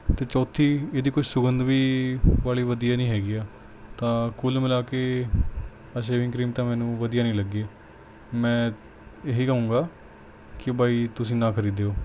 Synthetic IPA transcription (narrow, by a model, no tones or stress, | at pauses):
t̪eːt͡ʃɔːt̪ʰiːeːd̪iːkʊt͡ʃʰsʊɡənd̪ʋiːʋaːliːʋəd̪ijaːnĩːɦɛːɡiːaː | t̪ãːkulmɪlaːkeː | aʃ̬eːʋɪ̃ŋkɾiːmt̪ãːmɛ̃ːnũːʋəd̪ijaːnĩːləɡeː | mɛ̃ː | eɦiːkəũːɡaː | kɪbʱaːiːt̪ʊsĩːnãːkʰəɾiːd̪eːoː